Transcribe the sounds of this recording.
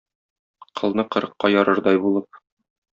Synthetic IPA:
qʰɤ̆lˠnɤqɤ̆ɾɤ̆qːɑjɒɾɤɾd̪ɒjbulˠɤp̚

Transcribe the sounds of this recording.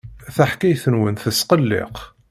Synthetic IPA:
θaħkæjθənwənθəsqəlːɪ̰q

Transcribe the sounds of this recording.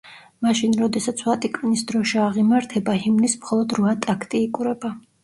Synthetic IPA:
maʃinɾɔd̪ɛsat̪sʰwat̪ʼikʼvinisd̪ɾɔʃiaʁimaɾt̪ʰɛbahimnismχɔlˠɔd̪ɾvat̪ʼakʰt̪ʼiːkʼuɾɛba

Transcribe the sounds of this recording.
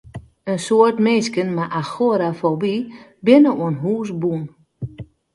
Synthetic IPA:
ənsoərtmeskənmaʔaxoɾafobibɪnəuənɦuːs̬bun

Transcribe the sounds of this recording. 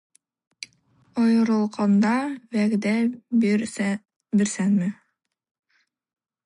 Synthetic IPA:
ojɤ̆ɾɤ̆lˠqɑnd̪ɑvæɡd̪æ | biɾsænmɘ

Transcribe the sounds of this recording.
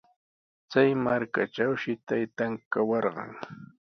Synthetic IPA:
t͡sajmaɾkaʈ͡ʂawʃɪt̪ajt̪aŋkawɑɾɢɑ̰ŋ

